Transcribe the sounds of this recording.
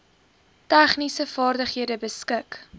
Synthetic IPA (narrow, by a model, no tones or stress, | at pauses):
tæχnisəfɑːrdəχɦiədəbəskək